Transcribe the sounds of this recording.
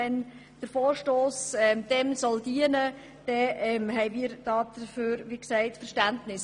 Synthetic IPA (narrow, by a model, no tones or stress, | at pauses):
ɛn | d̥əɾfoːɾʃtoːsɛmd̥ɛmsɔld̥iənə | d̥ɛɛmɦɛɪmiːɾd̥ɑːd̪̥əføːɾʋiːksɛɪtfəɾʃtæntnɪs